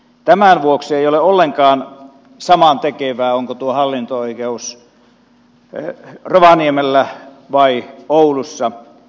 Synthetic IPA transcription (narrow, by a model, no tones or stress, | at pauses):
t̪æmænʋuoksieijoleolːeŋkɑːn | sɑmɑnt̪ekeʋæːoŋkot̪uohɑlːint̪ooikeus | roʋɑniemelːæ | ʋɑioulusːɑ